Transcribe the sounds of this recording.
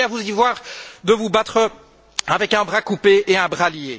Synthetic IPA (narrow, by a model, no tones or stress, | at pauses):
avuzivwaːʁd̪əvubat̪χə | avɛkɛ̃bʁakupeeɛ̃bʁalje